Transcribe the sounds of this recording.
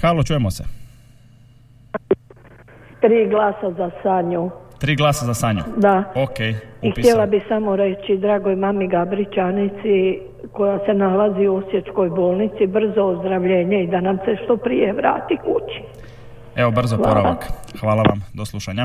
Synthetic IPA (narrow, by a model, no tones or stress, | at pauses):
xaːlˠot͡ʃuːjemosḛ | t̪ɾiːɡlaːsazasaɲut̪ɾiːɡlˠaːsazasaɲṵd̪aokejixt̪jelˠabisamoɾe̞t͡ɕid̪ɾaːɡojmamiɡabɾit͡ʃanit̪si | ko̞jase̞nalaziosje̞t͡ʃ̪ko̞jbo̞ːlˠnit̪sibr̩zo̞ːzd̪ɾaʋʎe̞ːɲeid̪anamse̞ʃt̪o̞pɾije̞ʋɾa̰ːt̪ikut͡ʃi̥ | eʋobr̩zooɾa̰a̰kxʋaːlˠaʋa̰md̪oslˠuʃaɲa